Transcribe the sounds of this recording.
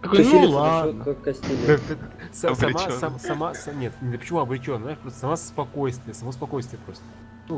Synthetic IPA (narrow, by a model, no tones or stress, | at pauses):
kɐkonlˠad̪ot̪kakkɐsʲtʲilʲ | sɐsɐmaɐmsɐmasɐnʲet̪ʲɪpə̥t͡ɕɪmuɐbɾʲɪt͡ɕonːzaɪʂpɾost̪əsɐmasspɐkojst̪vʲɪjəsɐmospɐko̞jst̪vʲɪjəpɾo̞st̪ə̥ | nu